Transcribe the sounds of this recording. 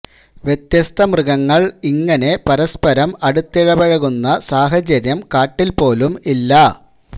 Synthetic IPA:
ʋjet̪jɐst̪ɐmrɨɣɐŋːɐɭiŋːɐne̞pɐɾɐspɐɾɐmɐɽut̪ːiɻɐbɐɻɐɣunːɐsaːɦɐt͡ɕɐɾjɐmkaːʈːilpo̞ːlumilːɐ

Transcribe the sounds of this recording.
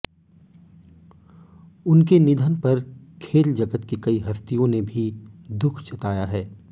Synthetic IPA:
ʊnkenɪd̪ʱənpɐɾkʰeːld͡ʒɐɡət̪kekɐiɦɐst̪ijõnebʱid̪ʊkʰt͡ʃɐt̪aːjaɦɛː

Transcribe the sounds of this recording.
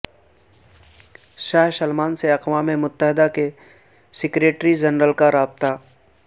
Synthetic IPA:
ʃaːɦʃɐlmaːnseɐqwaːmemʊt̪ːəɦɪd̪ake | sɪkɾeːʈɾid͡ʒɐnɾəlkaɾaːbt̪a

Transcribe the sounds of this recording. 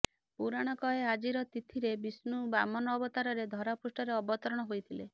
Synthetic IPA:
puɾaɽ̃ɔkɔɦead͡ʒiɾɔt̪it̪ʰiɾebisnubamɔnɔːbɔt̪aɾɔɾed̪ʱɔɾapusʈɔɾeɔbɔt̪ɔɾɔɽ̃ɔɦojt̪ʰile

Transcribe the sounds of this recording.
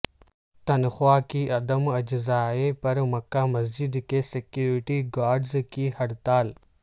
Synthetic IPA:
t̪ɐnxwaːkiʔɐd̪əmɐd͡ʒzaːɦepɐɾmɐkːaːmɐzd͡ʑɪd̪keːsɪkjuːɾɪʈiɡaːɾɖzkiːhɐɽt̪aːl

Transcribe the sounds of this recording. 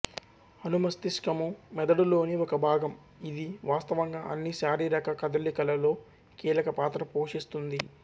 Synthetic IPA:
ɐnumɐst̪iskɐmumɛd̪ɐɽulo̞ːniɔkɐbʱaːɡɐm | id̪iʋaːst̪ɐʋɐŋɡaːʔɐnːiʃaːɾiːɾɐkɐkɐd̪ɐlːikɐlɐlo̞ː | kiːlɐkɐpaːt̪ɾɐpoːʂist̪und̪i

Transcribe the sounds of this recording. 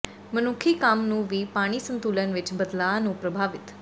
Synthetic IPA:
mənukʰikamnũːʋiːpaɽ̃isənt̪ulənʋɪt͡ʃbəd̪lanũpɾəbʱaʋɪt̪

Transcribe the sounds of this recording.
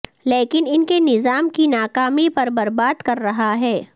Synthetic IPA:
leːkɪnɪnkenɪzaːmkinaːkaːmipɐɾbɐɾbaːd̪kɐɾːɐɦaɦɛː

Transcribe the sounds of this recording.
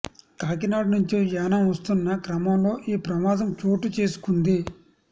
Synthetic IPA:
kaːk̬inaːɖnuɲt͡ʃijaːnɐmʋɐst̪unːɐkɾɐmɐmlo̞ːʔiːpɾɐmaːd̪ɐmt͡ʃoːʈut͡ʃe̞ːsu̥kund̪i

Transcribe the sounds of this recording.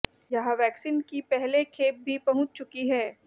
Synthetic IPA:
jɐɦãʋɛːksiːnkipɛɦlekʰeːp̚bʱipɐɦʊ̃t͡ʃt͡ʃʊkiɦɛː

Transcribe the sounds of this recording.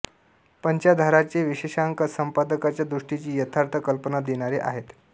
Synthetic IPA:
pəɲt͡ɕjad̪ʱaɾat͡ɕeʋiɕeɕaŋkəsəmpad̪əkat͡ɕjad̪ɾuʂʈit͡ɕiːjət̪ʰaɾt̪ʰəkəlpənad̪eɽ̃aɾeʔa̰ɦet̪

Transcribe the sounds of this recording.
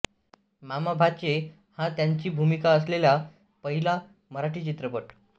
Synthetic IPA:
mamabʱat͡ɕe | hãt̪jaɲt͡ɕiːbʱumikaəslelja | pəɦila | məɾaʈiːt͡ɕit̪ɾəpəʈ

